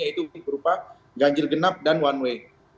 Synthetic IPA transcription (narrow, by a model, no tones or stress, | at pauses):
ait̪uuɪk̚bəɾupa | d͡ʒaɲd͡ʒɪlɡənap̚danwanwe